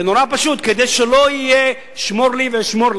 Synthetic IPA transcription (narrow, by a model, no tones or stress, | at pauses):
enoɾapaʃut̪ked̪ejʃeloije | ʃmoɾliveʃmoɾl